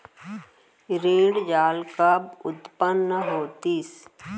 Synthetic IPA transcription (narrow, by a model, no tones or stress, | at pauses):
ɾẽːɖd͡ʒaːlkəbʊt̪pənːəɦoːt̪is